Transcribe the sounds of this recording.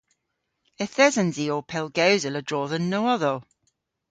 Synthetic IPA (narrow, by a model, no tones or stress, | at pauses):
ɪθɛzə̃nziːɔpʰɛlˠɡəwzələdɹɔːðənːəʊʌðəl